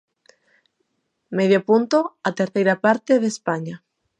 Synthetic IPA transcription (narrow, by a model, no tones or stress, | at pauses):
meðjopunt̪oat̪eɾθejɾapaɾt̪eðespaɲa